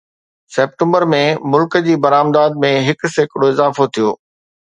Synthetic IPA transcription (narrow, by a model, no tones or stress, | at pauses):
sɛːp̚ʈə̃mbəɾmẽmʊlkəd͡ʑiːbɐɾaːmd̪aːd̪̚mẽɦɪk̆sekɽoɪzaːfot̪ʰijoː